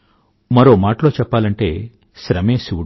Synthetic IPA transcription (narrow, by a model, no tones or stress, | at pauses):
mɐɾo̞ːmaːʈɐlo̞ːt͡ʃɛpːaːlɐɳʈe̞ː | ʃɾɐme̞ːsiu